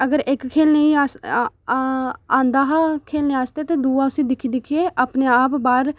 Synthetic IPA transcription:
əɡəɾʔɪkkʰːeːlneĩːaːs | ãːnd̪aːɦakʰeːlneːaːst̪eːt̪eːd̪uːaːʊsiːd̪ɪkʰid̪ɪkʰeːʔapneːaːpbaːɾ

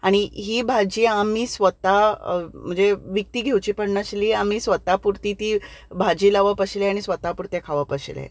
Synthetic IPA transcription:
aɽ̃iɦiːbʱad͡ʑiːamiːsʋət̪am̤əɳd͡zeʋik̚t̪iːɡʱewt͡ɕiːpəɽɳaɕliːamiːsʋət̪apuɾt̪iːt̪iːbʱad͡ʑiːlaʋəpəɕleaɽ̃isʋət̪apuɾt̪jakʰaʋəpəɕlḛ

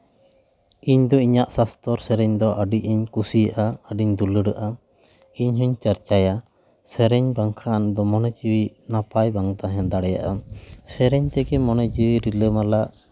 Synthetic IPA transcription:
iɲd̪ɔiɲaʔsast̪ʰɔɾsɛɾɛɲd̪ɔʔəɖiʔiɲkusijaʔaəɖiɲd̪uləɽəʔa | iɲɦɔɲt͡ʃaɾt͡ʃaja | sɛɾɛɲbaŋkʰand̪ɔmɔnɛd͡ʒiwinapajbaŋt̪aɦɛnd̪aɽɛja̰ʔasɛɾɛɲt̪ɛɡɛmɔnɛd͡ʒiwiɾiləmalaʔ

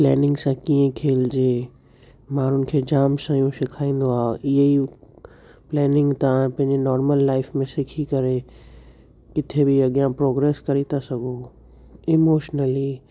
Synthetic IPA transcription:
plɛːnɪ̃ŋɡsãkĩjẽkʰeːld͡ʒeː | maːɾʊnkʰed͡ʒaːmsãjũʃɪkʰaːĩn̆d̪oaːɪjei | plɛːnɪ̃ŋɡt̪apɐ̃ɦɪ̃ɲd͡ʒenɔːɾməlːaːɪfmẽsɪkʰikəɾe | kɪt̪ʰebʱiɐɡjãpɾoːɡɾeːskɐɾit̪asɐɡoː | ɪmoːʃnəli

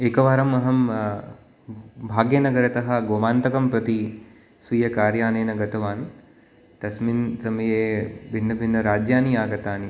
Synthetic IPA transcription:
eːkɐʋaːɾɐmɐɦɐm | bʱaːɡjɐnɐɡɐɾɐt̪ɐɦɐ̆ɡoːmaːnt̪ɐkɐmpɾɐt̪i | sʋijɐkaːɾjaːneːnɐɡɐt̪ɐʋaːn | t̪ɐsminsɐmɐjeːbʱinːɐbʱinːɐɾaːd͡ʒjaːniaːɡɐt̪aːni

